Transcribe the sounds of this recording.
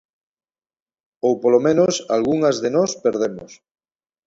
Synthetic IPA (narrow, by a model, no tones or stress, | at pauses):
owpolomẽnosa̰lɣuŋɐzðenɔspeɾðemo̰s